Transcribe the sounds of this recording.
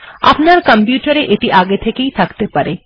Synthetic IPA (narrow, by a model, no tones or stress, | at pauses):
a̰pnaɾkəmpjuʈəɾeʔet̪iʔaɡet̪ʰekeisʰəkt̪epəɾe